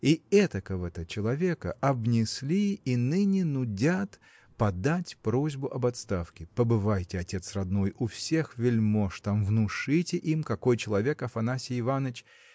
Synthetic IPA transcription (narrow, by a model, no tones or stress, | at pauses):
iɛt̪əkəvət̪ət͡ɕɪlˠɐvʲe̞kə̰ʔɐbnʲɪsʲlʲiːnɨnʲɪnʊdʲat̪ | pɐd̪atʲpɾo̞zʲbʊʔɐbɐt̪st̪afkʲɪpəbɨvajtʲɪɐtʲe̞t̪srɐd̪no̞jʊfsʲe̞xvʲɪlʲmoʂt̪amvnʊʂɨtʲɪʔimkɐko̞jt͡ɕɪlˠɐvʲe̞kɐfɐnasʲɪɪvanət͡ɕ